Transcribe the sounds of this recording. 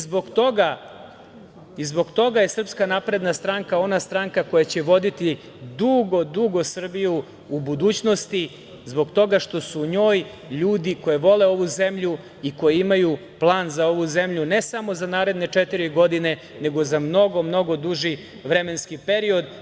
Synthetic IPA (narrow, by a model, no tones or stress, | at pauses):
zboɡt̪o̞ɡa | izbo̞ɡt̪o̞ɡaje̞sr̩pskanapɾe̞d̪nast̪ɾaŋkao̞nast̪ɾaːŋkako̞jat͡ɕe̞ʋo̞d̪it̪i | d̪uɡo̞d̪uɡo̞sr̩biju | ubud̪uːt͡ɕno̞st̪i | zbo̞ɡt̪o̞ɡaʃt̪o̞suɲo̞ːj | ʎuːd̪iko̞jeʋo̞le̞o̞ʋuze̞mʎu | iko̞jiimaju | plˠaːnzao̞ʋuze̞mʎunesamo̞zanaːɾe̞d̪ne̞t͡ʂet̪iɾiɡo̞d̪ine̞ | ne̞ɡo̞zamno̞ɡo̞mno̞ɡo̞d̪uʒi | ʋɾe̞me̞nskipe̞ɾio̞d̪